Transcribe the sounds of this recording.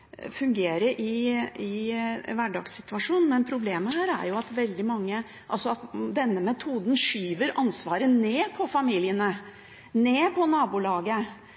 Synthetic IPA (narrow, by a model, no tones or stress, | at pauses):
fʉŋɡeːɾəɾʔɪɪʋæɖɑ̰ːɡsɪt̪ʉɑʂuːnn̩mɛnpʰɾʊbleːməhæːɾæ̰ɾjʊɑt̪ʋɛld̪ɪmɑŋːə | ʔɑlsɔɑt̪d̪ɛnːəmɛt̪ʰuːd̪n̩ʂyːʋəɾʔɑnsʋɑːɾəneːpʰɔfɑmiːlɪənə | neːpʰɔnɑːbulɑːɡə